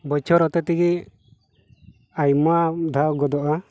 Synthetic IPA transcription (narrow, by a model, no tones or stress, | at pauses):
bɔjt͡ʃʰɔɾɔt̪ɛt̪iɡi | ajmɔad̪ʱawɡɔd̪ɔʔa